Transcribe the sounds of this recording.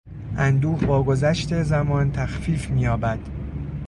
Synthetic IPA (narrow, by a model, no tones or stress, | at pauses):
ʔænd̪uːhvɒːɡo̞zæʃt̪e̞zæmɒːnt̪ʰæxfiːfmiːjɒːbæd̪̥